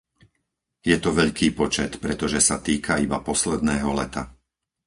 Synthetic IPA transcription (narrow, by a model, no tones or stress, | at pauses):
jɛt̪ɔʋɛʎkiːpɔt͡ʃɛt̪pɾɛt̪ɔʒɛsat̪iːkʰaibapɔslɛd̪̚nɛːɦɔlɛ̰t̪a